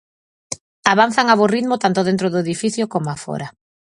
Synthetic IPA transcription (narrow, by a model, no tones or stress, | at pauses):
aβan̟θaŋaβoriðmot̪ant̪oðent̪ɾoðʊeðifiθjokomoafɔ̰ɾa